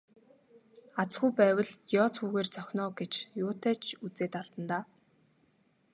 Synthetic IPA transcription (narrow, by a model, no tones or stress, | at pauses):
at͡sɡujpæːwə̆ɮjɔːt͡suːɣeːrt͡sœxʲnɔːɡet͡ɕjʊːt̪ʰæːt͡ɕʰut͡seːt̪aɮt̪ə̆nt̪aː